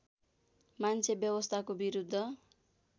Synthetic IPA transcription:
mant͡sʰebjʌbʌst̪ʰakobiɾud̪ʱːʌ

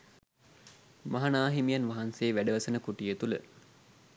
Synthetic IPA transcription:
maɦanaːɦimijanʋaɦanseːʋæɖəʋɐsənəkuʈijet̪ulə̰

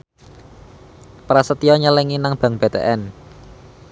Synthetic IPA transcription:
pɾasət̪iɔɲəlɛŋinaŋb̥ä̤ŋb̥et̪ḛʔɛn

